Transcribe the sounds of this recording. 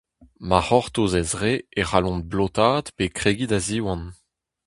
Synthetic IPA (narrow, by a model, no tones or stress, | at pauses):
maʁɔʁt̪ozɛzʁeeʁalɔ̃nblot̪aːd̪pekχeːɡidaziwɑ̃n